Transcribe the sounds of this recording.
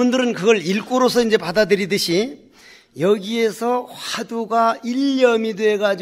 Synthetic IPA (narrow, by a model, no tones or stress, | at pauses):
undɯɾɯnkɯɡʌɭiɭk͈uɾosʰʌind͡ʑe̞padadɯɾidɯɕʰi | jʌɡie̞sʰʌhaduɡaiʎːʌmidwe̞ɡad͡ʑi